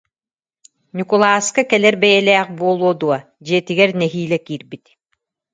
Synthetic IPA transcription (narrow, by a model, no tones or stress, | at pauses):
nʲukulˠaːskakɛlɛɾbɛjɛlɛːχbuɔlˠuɔd̪uɔ | d͡ʑiɛt̪iɡɛɾnɛɦiːlɛkiːɾbit̪